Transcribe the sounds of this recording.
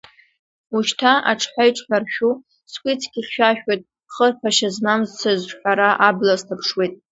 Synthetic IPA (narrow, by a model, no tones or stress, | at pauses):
uʃtʰaʔaʈ͡ʂʰħʷᶣajʈ͡ʂʼħʷᶣarʃᶣu | skʷʼit͡sʰɡʲiχʲʃᶣaʃᶣojtʼ | χərpʰaʃazmamzt͡sʰazħʷᶣaɾaʔablaztʰapʰʂwejtʼ